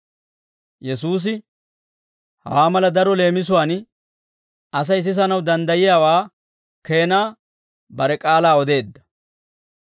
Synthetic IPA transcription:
jɛsuːs̬ɪ | hɐ̰waːmɐlɐd̪ɐɾɔle̞ːmɪs̬ʊwaːn | ɐs̬ɐjs̬ɪs̬ɐnɐwd̪ɐnd̪ɐjɪjaːwaː | ke̞ːnaː | bɐɾɛkʼaːlaːɔd̪e̞ːd̪ːɐ

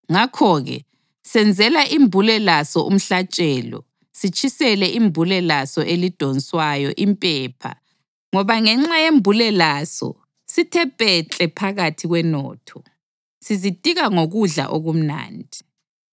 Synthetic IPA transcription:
ŋakʰɔɣɛ̰ | sɛnd͡zʱɛlaʔimbʱulɛlasɔʔṵm̩ɬat͡ʃʼɛːlɔ̰ | sit͡ʃʰʼisɛlɛʔimbʱulɛlasɔʔelid̥ʱɔnsʼwajɔʔimpʼɛːpʰa̰ | ŋɔβaŋɛŋ͡ǁajembʱulɛlasɔ̰ | sitʰɛpʼɛt͡ɬʼɛpʰaɣatʰiɣwɛnɔ̰ːtʰɔ | sizid̥ʱʼiɣaŋoɣuɮa̰ʔoɣum̩na̰ːndʱi

